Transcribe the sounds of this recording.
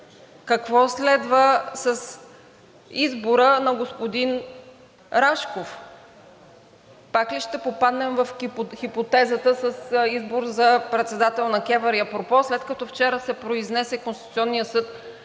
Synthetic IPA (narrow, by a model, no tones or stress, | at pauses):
kɐkvɔslɛd̪vəsɐs | izboɾənɐɡospod̪in | ɾaʃkof | pakliʃt̪ɛpopad̪nɛmvɐfxipot̪ɛzət̪əsəsizboɾzɐpɾɛt̪sɛd̪at̪ɛlˠnɐk̟ɛvəɾijəpɾopɔslɛt̪kɐt̪ɔft͡ʃɛɾəsɛpɾoiznɛsɛkonsit̪u̥t̪ʲiɔnːijəsɤt̪